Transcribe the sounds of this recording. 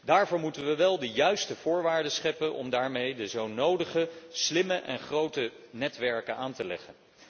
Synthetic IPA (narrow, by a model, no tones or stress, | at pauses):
daːɹvʊːɹmutənʋəʋɛlˠdəjœɥstəv̥ʊːɹʋaːɹdəsχɛpənʔɔ̰mdaːɹmejdəzownowdəχəslɪməʔɛ̰nχrowtə | nɛtʋɛɹkənaːntəlɛ̰χən